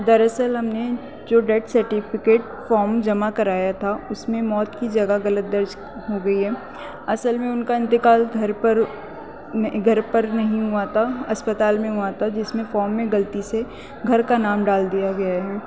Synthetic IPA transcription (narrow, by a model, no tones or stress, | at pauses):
d̪ɐɾɐsəlɦɐmne | d͡ʒoːɖɛːʈsɐɾʈɪfɪkeːʈ | fɔːɾmd͡ʒɐmakɐɾaːjat̪ʰaʊsmẽmɔːt̪kid͡ʒɐɡaɣɐlət̪̚d̪ɐɾd͡ʒ | ɦoɡɐiɦɛː | ɐsəlmẽʊnkaɪ̃nt̪ɪkaːlɡʱɐɾpəɾ | ɡʱɐɾpɐɾnɐɦĩɦuat̪ʰaɐspət̪aːlmẽɦuat̪ʰad͡ʒɪsmẽfɔːɾmːẽɡɐlt̪ise | ɡʱɐɾkanaːmɖaːld̪ijaɡɐjaɦɛː